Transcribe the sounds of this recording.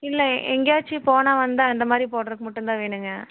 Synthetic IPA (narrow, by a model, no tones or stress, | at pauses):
ɪlːɛʔɛŋɡjaːt͡ʃːɯpoːnaːʋɐnd̪ɯɐnd̪ɐmaːd̪ɾipoːʈɐɾɯkːɯmɐʊʈːɯnd̪ãːʋeːɳɯŋɡɐ